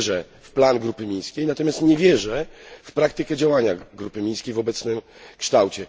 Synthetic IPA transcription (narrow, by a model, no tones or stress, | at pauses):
ʐɛ | fplanɡɾupɘmʲej̃skʲejnat̪ɔmʲjast̪ɲɛvʲjɛʐɛfpɾakt̪ɘkɛd͡ʑawaɲaɡɾupɘmʲej̃skʲejvɔbɛt̪snɘmkʂt̪awt͡ɕɛ